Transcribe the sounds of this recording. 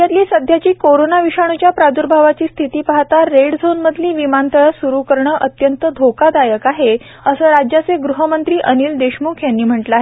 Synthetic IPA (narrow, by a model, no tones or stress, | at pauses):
jat̪liːsəd̪ʱjat͡ɕiːkoɾonaʋiɕaɳ̃ut͡ɕjapɾad̪uɾbʱaʋat͡ɕiːst̪ʰit̪iːpaɦt̪aɾːeɽd͡zʱonməd̪ʱliːʋimant̪əɭsuɾukəɾɳəʔət̪jənt̪əd̪ʱokad̪ajəkaɦe | əsəːɾad͡ʑjat͡seɡɾuɦəmənt̪ɾiːʔəniːld̪eɕmukʰjanːiːm̤əʈləaɦe